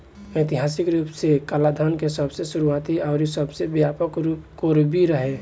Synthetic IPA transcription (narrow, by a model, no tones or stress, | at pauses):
et̪ɪɦasɪkɾuːpsekaːlad̪ʱənkesəbsesuɾuat̪iɔːɾsəbsebjapəkɾkoɾbʱiɾəɦe